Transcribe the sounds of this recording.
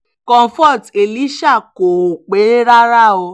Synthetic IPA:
kɔ̃˧˨fɔ˦˨te˨li˨˦ʃa˦˨ko˨o˨k͡pe˨˦e˦ɾa˦ɾa˦˨o˧

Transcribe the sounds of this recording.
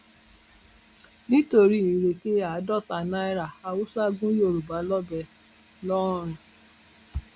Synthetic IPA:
nĩ˦to˧ɾi˦i˨ɾe˨ke˦a˨˦dɔ˦˨ta˨nã˦i˦ɾa˨a˨wu˦sa˦ɡũ˦jo˦˨ɾu˨ba˨˦lɔ˦bɛ˧˨ | lɔ˦˨ɾ̃ũ˨

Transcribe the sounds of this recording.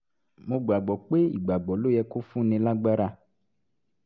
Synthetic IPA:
mo˧ɡ͡ba˨ɡ͡bɔ˨k͡pe˦ḭ˨ɡ͡ba˨ɡ͡bɔ˨lo˦jɛ˧ko˦fũ˦nĩ˧la˦ɡ͡ba˦ɾa˧

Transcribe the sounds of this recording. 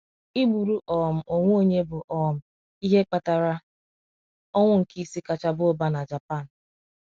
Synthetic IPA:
i˦ɡ͡bu˨ɾu˦ʔɔ˨m̩˨ʔo˨ŋʷo˦o˦ɲe˦bʊ˨ʔɔ˨m̩˨ | i˦ɦe˦k͡pa˦ta˨ɾa˦ | ɔ˦ŋʷʊ˦ŋ̩˨ki˦si˦ka˨t͡ʃa˦bo˦ba˦na˨d͡ʒa˨pa˦˨n̩˨

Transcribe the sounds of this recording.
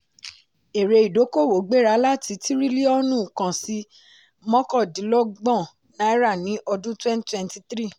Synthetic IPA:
e˨ɾe˧i˨do˨˦ko˦˨wo˨˦ɡ͡be˦˨ɾa˨˦la˦ti˨˧˦ti˦ɾi˦li˦ɔ˦nũ˦˨kã˨si˧ | mɔ̃˦kɔ˦˨dĩ˨˦lɔ˦ɡ͡bɔ̃˦˨ | nã˨˦i˦ɾa˦˨nĩ˨˦ʔɔ˧dũ˦twɛ̃˦n˦twɛ̃˦n˦ti˧t̪ɾi˦˨

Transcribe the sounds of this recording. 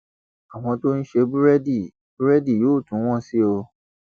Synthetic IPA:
a˨w̃ɔ̃˧to˦n̩˦ʃe˧bu˦ɾɛ˦di˦˨ | bu˦ɾɛ˦di˦˨joː˨˦˨tũ˨˦w̃ɔ̃˦si˦o˧

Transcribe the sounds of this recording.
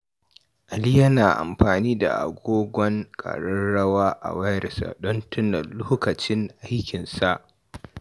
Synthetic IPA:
ʔa˨li˦jɐ˦naː˨ʔa̰˨mɸaː˨niː˦da̰˨ʔa̰˨ɡʷoː˦ɡʷɔ˦ŋkʼa̰˨ɽɐ˦ɽɐ˦waː˦ʔa̰˨wɐ˦ɾɪ˨sa̰˨ɗɔ˦ntʊ˦nɐ˨loː˦kɐ˨t͡ʃɪ˦ŋʔa˦jkʲɪ˨nsa˦ʔ

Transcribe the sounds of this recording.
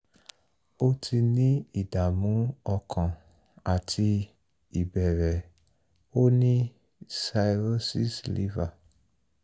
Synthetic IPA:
o˦tʰi˧nĩ˦i˦˨da˨mũ˨˦ɔ˧kʰã˨ | a˨tʰi˧ | i˨bɛ˨ɾɛ˨ | o˦nĩ˦ | sa˧i˧ɾo˦si˦˨slḭ˨˦va˦˨

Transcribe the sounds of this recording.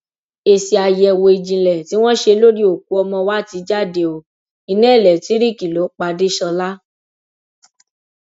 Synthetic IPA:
e˧si˧a˧jɛ˧˨wo˧i˧d͡ʒĩ˧lɛ˨ti˨˦w̃ɔ̃˦ʃe˧lo˦ɾi˦o˨ku˨˦ɔ˧mɔ̃˧wa˦ti˨˧˦d͡ʒa˦˨de˧˨o˨ | i˧nɛ̃˦˨lɛ˨ti˨˦ɾi˦˨ki˨lo˨˦k͡pa˧de˦ʃɔ˧la˦

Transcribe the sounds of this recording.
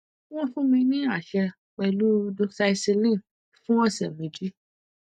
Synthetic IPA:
w̃ɔ̃˦fũ˦mĩ˧nĩ˦a˦˨ʃɛ˧ | k͡pɛ˧lu˦do˦˧sa˧i˧se˧lĩ˦˨ | fũ˦wɔ̃˦sɛ˨mĩ˨d͡ʒi˦

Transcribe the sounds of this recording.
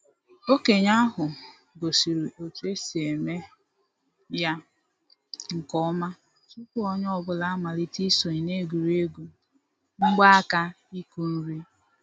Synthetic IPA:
o˦ke˨ɲa˦ɦʊ˨ | ɡo˨si˨ɾi˨ʔo˨tu˦e˦si˨e˨me˦ | ja˦ | ŋ̩˨kɔ˦ma˦ | su˦kʊ˦ɔ˦ɲ˦ɔ˦˨bʊ˦la˦a˦ma˨li˦ti˦so˨ɲi˨ne˦ɡu˨ɾe˦ɡu˨ | ŋ͡m̩˦ɡ͡ba˦a˦ka˦ | i˦ku˦n̩˦ɾi˦

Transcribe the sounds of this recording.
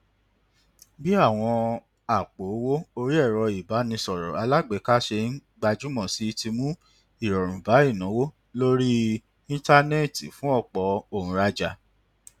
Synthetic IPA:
bi˦a˦˨w̃ɔ̃˧ | a˨k͡po˨˦wo˦o˧ɾi˦ɛ˦˨ɾɔ˧i˨ba˨˦nĩ˧sɔ˨ɾɔ̰˨a˧la˦ɡ͡be˨˦ka˦ʃe˧n̩˦ɡ͡ba˧d͡ʒu˦mɔ̃˦˨si˨˦ti˧mũ˦ | i˦˨ɾɔ˨ɾ̃ũ˨ba˨˦i˦˨nã˨˦wo˦ | lo˦ɾi˦ | ĩ˦ta˦ne˦ti˨fũ˦ɔ˦˨k͡pɔ˨˦o˦˨ũ˨˧ɾa˧d͡ʒa˧

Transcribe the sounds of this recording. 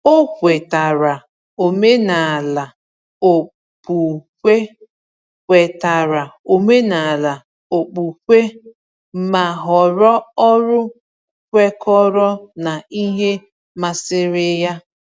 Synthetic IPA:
o˦kʷe˨ta˨ɾa˨ | o˨me˦na˨a˨la˨ | o˨ | pu˨kʷe˦ | kʷe˨ta˨ɾa˨o˨me˦na˨a˨la˨ | o˨k͡pu˨kʷe˦ | ma˨ɦɔ˨ɾɔ˦ɔ˦ɾʊ˦ | kʷe˦kɔ˦ɾɔ˦na˨i˦ɦe˦ | ma˦˨sɪ˦ɾɪ˦ja˦

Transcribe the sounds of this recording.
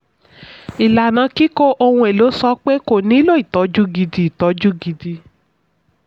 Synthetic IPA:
i˨la˨nã˨˦ki˦ko˦ʔo˧hũ˧e˨lo˨˦sɔ˦k͡pe˦ko˨nĩ˨˦lo˦i˨tɔ˨˦d͡ʒu˦ɡi˧di˧i˨tɔ˨˦d͡ʒu˦ɡi˧di˧

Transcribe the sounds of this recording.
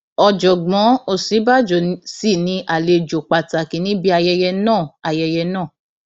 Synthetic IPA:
ɔ˧d͡ʒɔ˨ɡ͡bɔ̃˨˦o˦˨si˨˦ba˦˨d͡ʒɔ˨si˦˨nĩ˧ʔa˨le˧d͡ʒo˨k͡pa˨ta˨ki˨˦nĩ˦bi˦a˧jɛ˧jɛ˧nãː˦˨a˨jɛ˧jɛ˧nãː˦˨

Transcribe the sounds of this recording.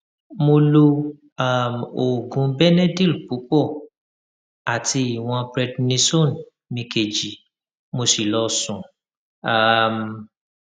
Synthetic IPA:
mo˧lo˧ | a˦˨mo˨ɡũ˨˦bɛ˦nɛ˦di˦˨lpu˨˦k͡pɔ˦˨ | a˨ti˧i˨w̃ɔ̃˧bɾɛ˧dnĩ˧so˦˨n | mĩ˧ke˨d͡ʒi˨ | mo˧si˨lɔ˧˦sũ˨ | a˨m

